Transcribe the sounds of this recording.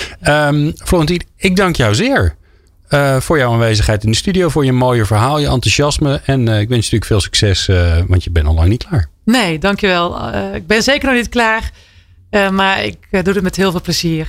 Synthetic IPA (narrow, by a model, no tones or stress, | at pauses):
əmfloːɣəntiɪɡ̚dɑŋkjɔwzɪːəɹ | əv̥ʊːɹjawaːnʋejzəχɦɛjtɪndəstydijowvʊːɹjəmoːjəvəɹɦaːlˠjəʔɑntuzɑsməɛnɪkʋɛnsnətyːəkfɪːlˠsy̥ksɛsʋɑ̰ntjəbɛnɔ̰lɑŋnit̚kʰlaːɹneːdɑŋkjəʋɛlˠɪɡ̚bɪnzeːkərnɔxnitklaːr | əmaɹɪ̰kdudətmɛtɦɪːlˠvɪːlˠpləziːr